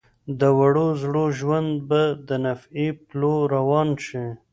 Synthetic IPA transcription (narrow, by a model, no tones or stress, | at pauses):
d̪əwaɽozɽoʒwand̪̚bad̪ənafiploɾawɑnʃi